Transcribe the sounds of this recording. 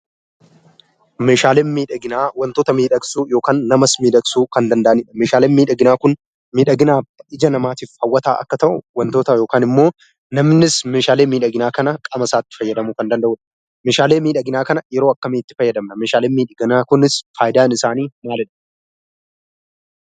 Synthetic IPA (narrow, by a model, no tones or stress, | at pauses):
me̞ːʃaːleːnmiːᶑɐɡɪnaːwɐnt̪o̞ːt̪ɐmiːᶑɐksuːjo̞ːkaːnːɐmɐsmiːᶑɐksuːkɐnd̪ɐnd̪ɐʔɐnɪᶑɐmeːʃaːleːnmiːᶑɐɡɪnaːkʊn | miːᶑɐɡɪnaːɪd͡ʒɐnɐmaːt̪iːfhɐwːɐt̪a̰ːʔɐ̰kːɐt̪ɐʔʊ̰wɐnt̪oːt̪ɐjo̞ːkaːnɪmːo̞ː | nɐmnɪsmeːʃaːle̞ːmiːᶑɐɡɪnaːkɐnɐkʼɐmɐsaːt̪ːɪ̥fɐjːɐd̪ɐmukɐnd̪ɐnd̪ɐʔʊᶑɐ̥ | meːʃaːle̞ːmiːᶑɐɡɪnaːkɐnɐjɛɾoːɐkːɐmeːɪt̪ːɪfɐjːɐd̪ɐmnɐmeːʃaːleːmiːᶑɐɡɪnaːkʊnɪsfaːjd̪aːnɪsaːniːmaːlɪᶑɐ̥